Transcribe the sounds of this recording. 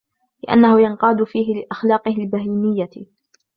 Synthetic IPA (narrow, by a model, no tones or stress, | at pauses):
lɪʔa̰nːahʊjɑnqɑːd̪ʊfiːɦɪlɪʔaxlɑːqɨhɪlbahiːmɪjːa